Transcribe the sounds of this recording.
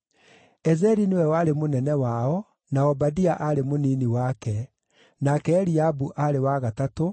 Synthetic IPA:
ɛzɛɾinewɛwaɾemonɛnɛwaɔ | naɔbadiaʔaɾemoniniwakɛ | nakɛːɾiabuʔaɾewaɣatato

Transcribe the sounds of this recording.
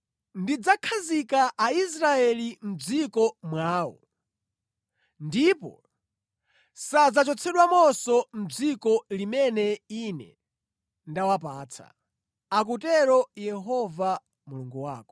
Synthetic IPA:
ndid͡zakʰazikaʔais̬ɾaɛlim̩d͡zikɔmwaːwɔ̰ | ndipɔ̰ | sad͡zat͡ʃɔt͡sʰɛɗwamɔsɔm̩d͡zikɔlimɛnɛinɛ̰ | ndawapaːt͡sʰa̰ | ak̬utɛɾɔjɛɦɔva | muluŋɡuwaːkɔ̥

